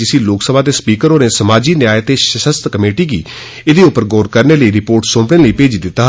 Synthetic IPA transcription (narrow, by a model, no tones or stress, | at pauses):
ɪsĩːloːksəbaːt̪eːspiːkəɾoːneːsəmaːd͡ʒiːnjaːet̪eːʃəʃəst̪kəmeːʈiːɡḭː | ɪd̪eːʊpːəɾɡɔːɾkəɾneːləiːɾɪpoːɾʈsõːpɽeːləiːpeːd͡ʒiːd̪ɪt̪ːaː